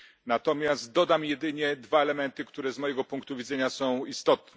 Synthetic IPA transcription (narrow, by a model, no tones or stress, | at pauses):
nat̪ɔmʲjast̪̚d̪ɔd̪amjɛd̪ɘɲɛd̪vaɛlɛmɛnt̪ɘkt̪uɾɛzmɔjɛɡɔpuŋkt̪uvʲid̪zɛɲasɔ̃w̃ist̪ɔt̪nɛ